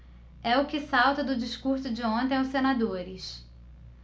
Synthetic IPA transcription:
ɛʊkɪsawt̪ɐd̪ʊd͡ʒɪʃkuɾsʊd͡ʒɪõt̪ẽj̃ʊsenad̪oɾɪs

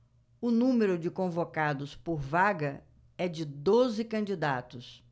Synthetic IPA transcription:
ʊnũmeɾʊd͡ʒɪkõvokad̪ʊspoɾvaɡɐ | ɛd͡ʒɪd̪ozɪkɐ̃d͡ʒid̪at̪ʊs

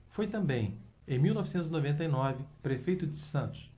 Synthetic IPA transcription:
fojt̪ɐ̃mbẽj̃ | ẽj̃miwnɔvisẽnt̪ʊzinovẽnt̪̬ɐinɔvɪpɾefejt̪ʊd͡ʒɪsɐ̃nt̪ʊ̥s

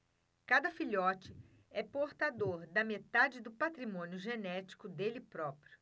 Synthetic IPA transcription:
kad̪ɐfiʎɔt͡ʃɪ | ɛpoɾt̪ad̪oɾd̪ɐmet̪ad͡ʒɪd̪ʊpat̪ɾimõnjʊʒenɛt͡ʃi̥kʊd̪elɪpɾɔpɾjʊ

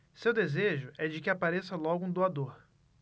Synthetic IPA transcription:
sewd̪ezeʒʊʔɛd͡ʒɪkɪapaɾesɐlɔɡʊũd̪oad̪oɾ

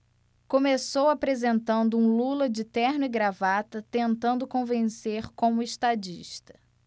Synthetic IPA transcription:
kõmesowapɾezẽnt̪ɐ̃nd̪ʊũlulɐd͡ʒɪt̪ɛɾnʊɪɡɾavat̪ɐt̪ẽnt̪ɐ̃nd̪ʊkõvẽseɾkõmʊeʃt̪ad͡ʒḭʃt̪ɐ̥

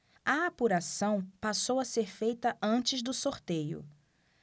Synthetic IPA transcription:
ɐapuɾasɐ̃w̃pasowɐseɾfejt̪ɐʔɐ̃nt͡ʃɪzd̪ʊsoɾt̪ejʊ̰

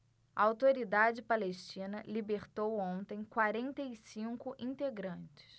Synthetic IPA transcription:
ɐawt̪oɾid̪ad͡ʒɪpaleʃt͡ʃĩnɐlibeɾt̪owõnt̪ẽj̃kwaɾẽnt̪ejsĩŋkʊʔĩnt̪eɡɾɐ̃nt͡ʃɪ̥s

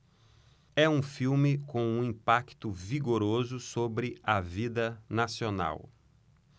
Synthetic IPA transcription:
ɛũfiwmɪkõw̃ũĩpakt̪ʊviɡoɾozʊsobɾɪɐvid̪ɐnasiona̰w

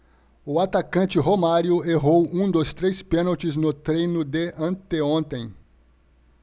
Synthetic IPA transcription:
ʊat̪akɐ̃nt͡ʃɪɦomaɾjʊeɦowũd̪ʊst̪ɾejspẽnot͡ʃɪznʊt̪ɾejnʊd̪eʔɐ̃t̪eõnt̪ẽj̃

